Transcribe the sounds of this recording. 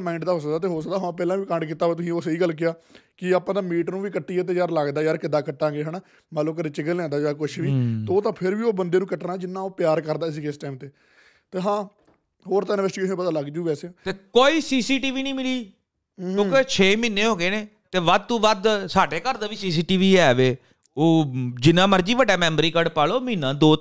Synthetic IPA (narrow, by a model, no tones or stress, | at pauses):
maːɪ̃ɳʈd̪aːɦoːsək̚d̪aːt̪eːɦoːsəd̪aːɦpɛːlãːʋiːkəɳɖk̬iːt̪ːaːʋeːt̪ʊsĩːoːsəiːɡəlk̬ɪjaːkɪaːpãːd̪ãːmiːʈnũːʋiːkəʈːiːaːt̪̬eːjaːɾləɡd̪aːjaːɾkɪd̪aːkəʈːãːŋɡeːɦəːnaː | mət̪ləbkəɾeːt͡ʃɪɡəlãːd̪aːd͡ʒaːkʊʃʋiːt̪eoːt̪ãːpʰɪɾʋiːoːbənd̪eːnũːkəʈnaːd͡ʒɪnːãːoːpjaːɾkəɾd̪aːɪs̬iːkeːsʈaːmt̪eː | t̪eːɦãː | ɦoːɾt̪ãːnɪʋəːsʈiːsẽːpəd̪aːləɡd͡ʒuːbɛːseãːt̪eːkoːiːsiːsiːʈiːʋiːnĩːmɪliː | õːket͡ʃʰeːmĩːnẽːɦoːɡeːnẽː | t̪eːʋəd̪̚t̪ũːʋəd̪saːɖeːkəɾd̪aːʋiːsiːsiːʈiːʋiːɛːʋeː | oːd͡ʒɪnãːməɾd͡ʒiːʋəɖaːmɛ̃ːmɾiːkəɽpaːloːmĩːnãːd̪oː